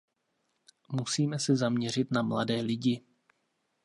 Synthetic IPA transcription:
musiːmɛsɛzamɲɛr̝ɪt̪namla̰dɛːlɪɟɪ

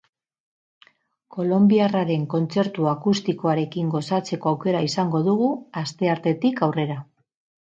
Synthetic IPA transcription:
ko̞lo̞mbiaraɾe̞ŋko̞nt͡se̞ɾt̪uakust̪iko̞aɾe̞kiŋɡo̞sat͡se̞ko̞awke̞ɾaisaŋɡo̞ðuɣuast̪e̞aɾt̪e̞t̪ikawre̞ɾa

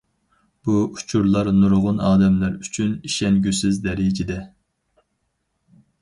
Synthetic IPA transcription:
b̥uu̥t͡ʃʰuɾlˠɑɾnuɾʁʊnɑːd̪ɛmlæɾyt͡ʃʰyniʃɛnɡʲysɪzd̪ɛɾɪd͡ʒid̪ɛ

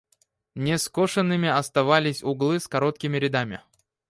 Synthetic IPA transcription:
nʲɪskoʂənːɨmʲɪɐst̪ɐvalʲɪsʲʊɡlˠɨskɐɾo̞t̪̚kʲɪmʲɪɾʲɪd̪amʲɪ̰

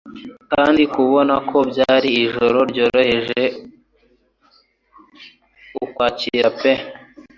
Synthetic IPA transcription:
kaːndikuβo̞nakʰo̞bɟaːɾiːʒo̞ɾo̞ɾɟo̞ːɾo̞he̞ʒe̞ | ukwaːcḭɾape

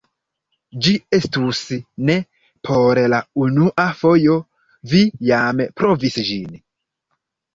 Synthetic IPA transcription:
d͡ʒie̞stusne̞ | pʰo̞ɾlaunuʔafo̞jo̞ | vijampɾo̞visd͡ʒin

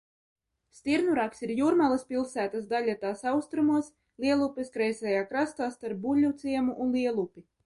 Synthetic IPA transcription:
st̪iɾnuɾaksiɾjuːɾmalˠaspilˠsæːt̪asd̪alʲat̪aːsawst̪ɾumuɔs | lˠiɛlˠupʲɛskɾɛjsɛjaːkɾast̪aːst̪aɾp̚bulʲut̪sʲiɛmuʔunliɛlˠupʲi

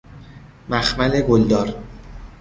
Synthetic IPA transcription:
mæxmæleɡold̪ɒːɾ

